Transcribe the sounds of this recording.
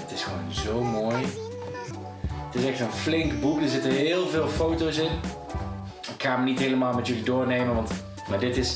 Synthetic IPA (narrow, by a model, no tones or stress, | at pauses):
ətɪsxʋownzowmoːj | ətɪsɛxtənflɪŋkbukdəɹzɪtəɹɦɪːlˠvɪːlˠfowtowsɪn | ɪkxaːmənitɦeləmaːlˠmɛtjəlidʊːɹnejmənʋɑnt | maːdɪtɪs